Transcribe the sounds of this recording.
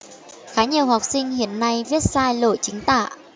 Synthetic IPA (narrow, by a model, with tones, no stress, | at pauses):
xaː˨˦ɲi˨˩əwha˨˩wk͡p̚sï˧ŋ̟hḭ˧˨ənːa˧jvi˦˥ət̚saː˧jlo̰˧˨jt͡ɕï˨˦ŋ̟t̪a̰ː˧˨